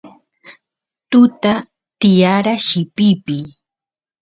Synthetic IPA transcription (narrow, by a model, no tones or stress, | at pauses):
t̪ʊt̪a | t̪ɪjaɾaʃɪpɪpɪ